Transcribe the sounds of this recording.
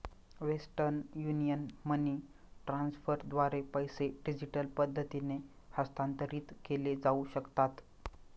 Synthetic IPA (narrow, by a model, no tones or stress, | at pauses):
ʋesʈəɾnjunijənməniː | ʈɾãnsfəɾd̪ʋaɾepəjseɖid͡ʑiʈəlpəd̪ʱːət̪ine | həst̪ant̪əɾiːt̪keled͡zauɕəkt̪at̪